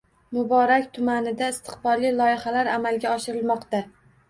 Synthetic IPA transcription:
mʊbɒɾakʲt̪ʰʊmanɪd̪aɪst̪ʰɨ̥qbɒɾlilˠɒjɪhalaɾamalɡʲaɒʃɪɾɪlmɒqt̪a

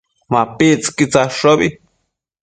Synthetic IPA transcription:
mapit͡skit͡saʂobi

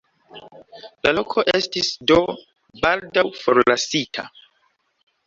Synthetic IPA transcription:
lalokʰo̞ʔe̞stisdo̞ | baldawfoɾlasitʰa̰

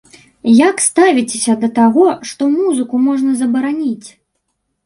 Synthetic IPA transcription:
jakst̪avʲit͡sʲesʲɐd̪ɐt̪aɣɔʂt̪ɔmuzɨkumɔʐnɐzɐbɐɾanʲit͡sʲ

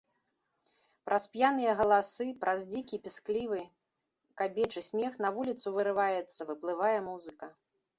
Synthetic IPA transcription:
pɾʔɐspʲjanɨjɐɣɐlˠasɨpɾʔɐzʲd͡zʲikʲipʲisklʲivɨ | kabʲɛt͡ʂɨsʲmʲɛxnɐvulʲit̪suvɨɾɨvajɛt̪sːɐvɨplˠɨvajɛmuzɨkɐ

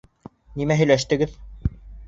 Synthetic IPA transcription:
nimæɦɵ̆jlæʃt̪ɘ̆ɡɘð

